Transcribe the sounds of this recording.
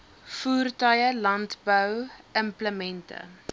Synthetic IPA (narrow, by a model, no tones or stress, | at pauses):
fuːrtœjəlɐntbœwəmpləmɛntə̰